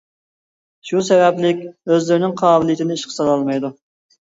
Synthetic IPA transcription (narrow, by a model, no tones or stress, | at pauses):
ʃusɛvɛplɪkʲøzlɪɾɪnɪŋqʰɑːbɪlˠijt̪ʰɪnɪiʃqʰə̥sɑlˠɑlˠmɑjd̪u